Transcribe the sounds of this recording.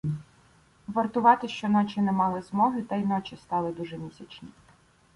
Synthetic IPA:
ʋɐrt̪ʊʋɑt̪ɪʃt͡ʃɔnɔt͡ʃɪnɛmɑlˠɪzmɔɦɪt̪ɐinɔt͡ʃɪst̪ɑlˠɪd̪uʒɛmʲisʲɐt͡ʃnʲi

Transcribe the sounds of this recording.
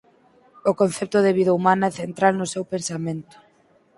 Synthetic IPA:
ʊkon̟θɛp̚t̪ʊðeβiðaumanɐɛθent̪ɾalnʊsewpensamẽnt̪ʊ̥

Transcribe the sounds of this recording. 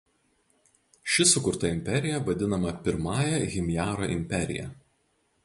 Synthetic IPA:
ʃʲɪsʊkʊɾt̪ɐɪmʲpʲɛɾʲɪjɛʋɐd̪ʲɪnɐmɐpʲɪɾmɑːjɛɣʲɪmʲjæːɾoːʔɪmʲpʲɛɾʲɪ̰jɛ̰

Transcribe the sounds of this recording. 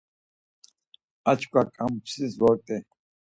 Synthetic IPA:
at͡ʃʰkʰʷʼakʼampʰsiswɔɾt̪ʼɛ

